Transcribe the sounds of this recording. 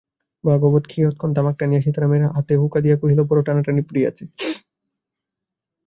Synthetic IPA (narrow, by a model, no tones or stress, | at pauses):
baɡobot̪kʰiɦot̪̚kʰond̪amak̚ʈanijaʃit̪aɾameɾaʔat̪ebʱukad̪ijakuɦilopɔɾoʈanaʈanipɾia̰t͡ɕʰe